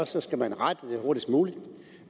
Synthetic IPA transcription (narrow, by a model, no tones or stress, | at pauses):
ɒsɒ̽sɡ̥æmænʁad̥əd̥e̝ɦo̝ɐɾisɡ̥muːlid̥